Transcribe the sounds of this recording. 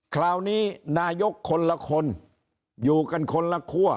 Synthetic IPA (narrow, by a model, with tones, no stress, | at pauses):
kʰlaː˧wniː˦˥naː˧jo˦˥kʰːo˧nla˧kʰo˧n | juː˨˩ka˧nkʰo˧nla˧kʰu˥˩ɐ